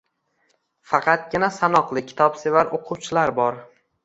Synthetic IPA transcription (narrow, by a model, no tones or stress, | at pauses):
fɑqʰɑt̪̚ɡʲɪnasanɒqlˠɪkʲʰɪ̥t̪ʰɒpsevaɾoqʰʊwt͡ʃʰɪlaɾbɒɾ